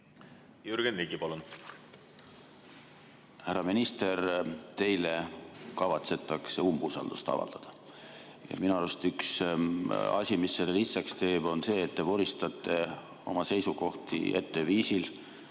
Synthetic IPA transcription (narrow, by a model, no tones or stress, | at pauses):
juɾɡ̥enliɡipɑlun | hæɾɑminist̪e̞ɾt̪e̞jlekɑvɑt̪se̞t̪ːˑɑkseumbusɑ̰ld̪̥ust̪ɑ̰vɑ̰ld̪̥ɑd̪̥ɑ | jɑ̰minɑɑɾust̪yks | ɑ̰sʲimisːelːeliht̪sekst̪e̞ːb̥o̞nse̞ːet̪ːe̞voɾist̪ɑt̪ːˑe̞ | o̞̰mɑse̞jsuko̞ht̪ḭe̞̰t̪ːe̞viːsil